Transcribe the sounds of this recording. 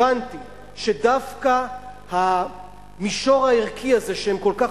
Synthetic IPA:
ant̪i | ʃedafka | ha | miʃo̞ʁaiʁkʰiaze̞ʃehemko̞lka

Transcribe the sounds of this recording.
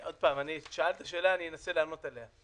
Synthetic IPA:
ʔo̞d̪̚paːmaniʃoalt̪aʃe̞ːlaːnijenaseleamo̞t̪elea

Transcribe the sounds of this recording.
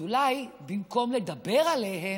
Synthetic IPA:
ulajbimko̞mle̞d̪abe̞ʁaleɦe

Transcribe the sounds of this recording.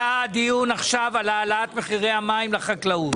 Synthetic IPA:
ad̪ijunaχʃavalaːlat̪meχiʁejamaimleχaklaut

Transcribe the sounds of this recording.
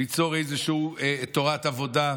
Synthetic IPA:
it͡so̞ʁejzeʃut̪o̞ʁatavo̞da

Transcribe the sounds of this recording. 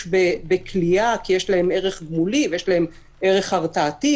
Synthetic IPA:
bebekʰliakijeʃlahe̞me̞ʁeχɡmulivejeʃlahem | e̞ʁe̞χaʁt͡saːti

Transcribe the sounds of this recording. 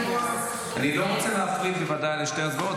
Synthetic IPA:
aniloʁot͡seleafʁid̪bevad̪ajleʃtezvo

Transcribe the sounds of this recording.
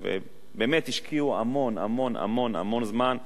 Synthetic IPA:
vḛ | bemet̪hiʃkʰiuamo̞na̰mo̞na̰mo̞na̰mo̞nzman

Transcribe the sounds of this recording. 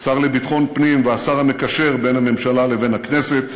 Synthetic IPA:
saʁlebit̪χo̞npnimveasaʁame̞kaʃe̞ʁbe̞nhame̞mʃalale̞ve̞nhakne̞set̪

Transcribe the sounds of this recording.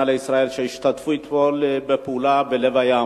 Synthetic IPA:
aleisʁaelʃeiʃt̪at̪fuit̪molbepulabelevaja

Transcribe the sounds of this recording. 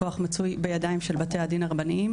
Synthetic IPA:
o̞aχmat͡sujbejadaimʃelbate̞ad̪inaʁbaniim

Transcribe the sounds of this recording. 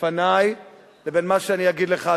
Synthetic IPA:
anaj | lebenmaʃeaniaɡidleχa

